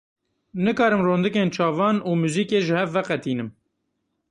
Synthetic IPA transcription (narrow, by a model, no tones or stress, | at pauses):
nɨkɑːɾɨmroːnd̪ɨkeːnt͡ʃʰɑːvɑːnuːmuːziːkeːʒɨhɛvːɛqɛt̪iːnɨm